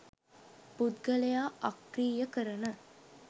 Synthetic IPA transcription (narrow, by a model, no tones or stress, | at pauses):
pud̪ɡəlejaːakriːjəkəɾənə